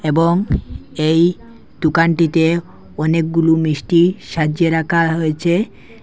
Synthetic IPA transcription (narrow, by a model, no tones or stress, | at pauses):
eboŋej | d̪̥ukaɳʈit̪e | ɔnek̚ɡulumɾiʃʈiʃad͡ʑeɾakʰaɦojet͡ɕʰe